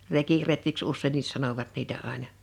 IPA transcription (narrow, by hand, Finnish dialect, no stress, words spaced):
rekiretkiks usːeˑnːis sɑnoʋɑt niːtæ ʔɑˑenɑ